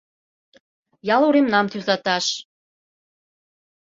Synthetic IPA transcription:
jɑluɾemnɑmt̪yzɑt̪ɑʃ

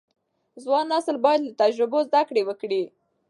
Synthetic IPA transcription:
zwɑnːasəlbɑjad̪lat̪ad͡ʒɾʊbozd̪akɽewəkɽi

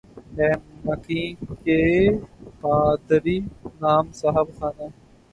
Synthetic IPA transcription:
ɛːmːəkĩːkeː | paːd̪ɾiːnaːmsəɦəbxaːnaː

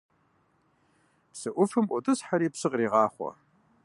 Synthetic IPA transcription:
psɨʔʷʊfɨmʔʷʊtʰʼɨsħaɾipsɨqʼriːʁɑːχʷa̰

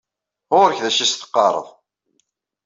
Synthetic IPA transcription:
ʊɾəçðæʃisθə̥qːɑɾˤə̰ðˤ

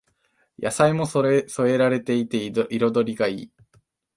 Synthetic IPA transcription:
ja̰saimo̞sso̞e̞ɾaɾe̞t̪e̞it̪e̞iɾo̞d̪o̞ɾʲiɡaḭː

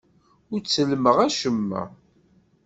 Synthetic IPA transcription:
ʊɾt͡sːəlməʁæʃəmːæ̰

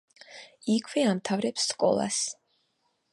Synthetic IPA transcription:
ikʰwɛamt̪ʰavɾɛpsːkʼɔ̰lˠa̰s

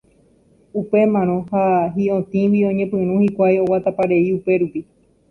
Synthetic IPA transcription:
upe̞mãɾ̃õhaɦiõt̪ĩwiõ̞ɲẽpɨ̃ɾ̃ũhikʷajowat̪apaɾe̞iupe̞ɾupi

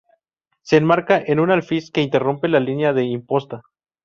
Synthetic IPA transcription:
se̞ːnmaɾkaʔe̞nunalfiske̞int̪e̞rompe̞lalinjaðe̞impo̞st̪a

